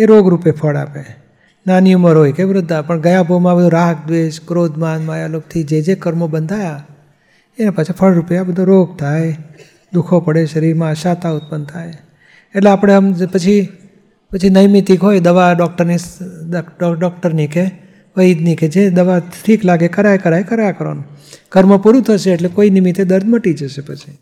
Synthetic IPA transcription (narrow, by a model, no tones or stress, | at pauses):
eɾoɡɾupepʰəɽa̰pe | naniuməɾɦojkeʋɾʊd̪ʱːapəɳɡəjabomãbəd̪ũɾaɦək̚d̪ʋeʃkɾod̪ʱmanmajalok̚t̪ʰid͡ʒed͡ʒekəɾmobənd̪ʱaja | enepət͡ʃʰipʰəɭɾupjabəd̪ʱoɾoɡ̚t̪ʰaj | d̪ukʰopəɽeʃəɾiɾmãʃat̪aʊt̪̚pənt̪ʰaj | eʈleapəɽ̃eəmpət͡ʃʰi | pət͡ʃʰinəjmit̪ikɦojd̪əʋaɖɔk̚ʈəɾnis | ɖɔk̚ʈəɾnike | ʋəid̪niked͡ʒed̪əʋaʈʰiklaɡekəɾajkəɾajkəɾajakəɾo̰nkəɾməpuɾut̪ʰəʃeːʈlekoinɪmit̪ed̪əɾd̪ʱməʈid͡ʒəʃepət͡ʃʰi̥